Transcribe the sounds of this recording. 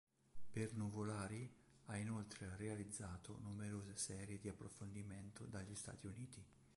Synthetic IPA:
pernuvolaːɾi | ainolt̪ɾerealid̪zːaːt̪o̰numeɾoːzesɛːɾjed̪iapːɾofond̪iment̪od̪aʎːist̪a̰ːt̪iuniːt̪i

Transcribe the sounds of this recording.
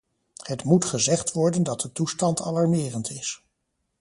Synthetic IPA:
hətmutχəzɛχtʋɔɹdəndɑt̚dətustɑntɑ̰lɑɹmɪːrəntʰɪs

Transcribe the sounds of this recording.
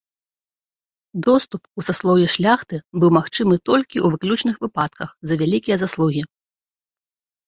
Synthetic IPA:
d̪ɔst̪upusaslˠɔwjʲɛʂlʲaxt̪ɨbɨwmaxt͡ʂɨmɨt̪ɔlʲkʲiʔuvɨklʲut͡ʂnɨxvɨpat̪̚kɐxzɐvʲalʲikʲijɐzaslˠuɣʲi

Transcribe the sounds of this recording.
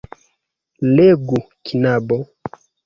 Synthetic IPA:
leɡu | kinabɔ

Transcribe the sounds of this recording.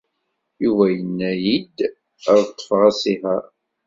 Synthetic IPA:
uvæjənːæjid̪ | əɾˤt̪ˤːə̥fʁæsiɦæɾ

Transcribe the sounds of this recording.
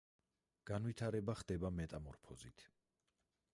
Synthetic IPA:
ɡ̥anvwit̪ʰaɾɛbaχd̪ɛbamɛt̪ʼamɔɾpʰɔzit̪ʰ

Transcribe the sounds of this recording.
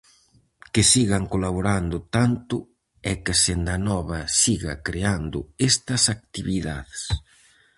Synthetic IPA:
kɪsiɣaŋkolaβoɾand̪ʊt̪ant̪ʊ | ɛkɪsend̪anɔβɐsiɣɐ̰kɾeand̪ʊ̰est̪ɐsak̚t̪iβiða̰ðes

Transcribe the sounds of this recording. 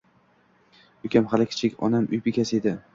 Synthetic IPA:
ʊkʲamχalɪkʲʰɪ̥t͡ʃʰɪkʲɒ̰namʊjbɪkʲʰased̪ɪ

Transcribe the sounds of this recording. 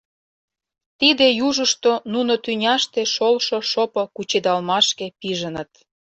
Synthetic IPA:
t̪id̪ejuʒəʃt̪onunot̪ynʲɑʃt̪eʃolʃoʃopokut͡ɕed̪ɑlmɑʃkepiʒənət̪

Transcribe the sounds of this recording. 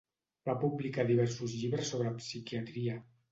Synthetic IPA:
bapublikaðiβ̞ɛɾsuzʎiβɾəsːoβɾəpsikiat̪ɾiə

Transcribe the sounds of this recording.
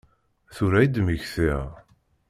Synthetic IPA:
θʊɾæjd̪məçθiʁ

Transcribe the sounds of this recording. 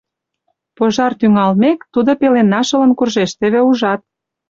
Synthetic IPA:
poʒɑrt̪yŋɑlmekt̪ud̪opelenːɑʃə̆lə̆nkurʒeʃt̪ĕβeuʒɑt̪̚

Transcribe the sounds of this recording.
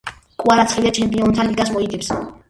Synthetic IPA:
kʼwaɾat̪sχid̪at͡ʃʰɛmpʼiɔnt̪ʰaliɡas̬mɔit̪ʼips

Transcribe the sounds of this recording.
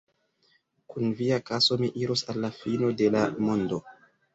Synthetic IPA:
kunviakaso̞miʔiɾosalːafino̞de̞lamo̞ndo̞

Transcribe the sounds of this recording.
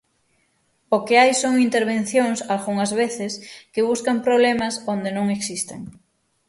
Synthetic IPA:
okeajsoŋint̪eɾβ̞ẽn̟θjõŋsalɣuŋazβeθɪskɪβ̞uskampɾoβ̞lemasõnd̪enõŋeksist̪ḛŋ

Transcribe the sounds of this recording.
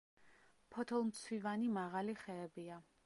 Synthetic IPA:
pʰɔt̪ʰɔlˠmt̪sʰwivanimaʁaliχɛːbia

